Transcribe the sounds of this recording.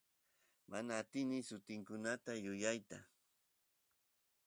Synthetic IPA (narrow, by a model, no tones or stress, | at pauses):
manaːt̪ɪnɪsʊt̪ɪŋkʊnat̪ajʊjajt̪a